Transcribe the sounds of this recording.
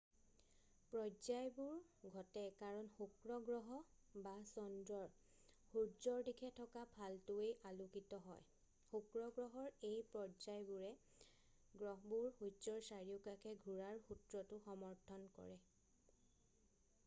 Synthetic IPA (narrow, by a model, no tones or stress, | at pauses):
pɹɔzajbuɹɡʱɔtɛkaɹɔnxukɹɔɡɹɔɦɔ | basɔndɹɔɹ | huɹzɔɹdikʰɛtʰɔkapʰaltʊejʔalukitɔɦɔj | xukɹɔɡɹɔɦɔɹejpɹɔzajbuɹɛ | ɡɹɔɦɔbuɹhuzɔɹsaɹijʊkakʰɛɡʱuɹaɹxutɹɔtʊxɔmɔɹtʰɔnkɔ̰ɹɛ